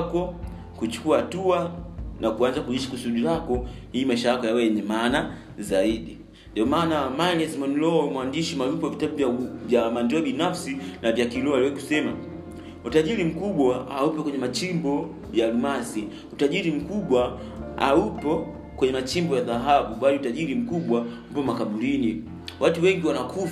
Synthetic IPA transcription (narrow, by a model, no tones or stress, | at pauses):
kɔ | kut͡ʃu̥kuahatuanʔakuanzakuɲiʃḁkusuɗiɾakɔ | hiːmaiʃajakɔjawɛjɛɲɛmaːna | zaiɗi | ndiɔmaːnamaniɛsmɔnlɔmwandiʃimalupɔavitaɓuvavjamandɔaɓinafsinavjakilɔaliwɛku̥sɛma | utaʄiɾim̩kuɓwahaupɔkwɛɲɛmat͡ʃimbɔ | jalumasi | utaʄiɾim̩kuɓwa | a̰upɔ | kwɛɲɛmat͡ʃimbɔjaðaɦaɓuɓaliutaʄiɾim̩kuɓwam̩pɔmakaɓuɾini | wʔatuwɛŋɡiwanakuf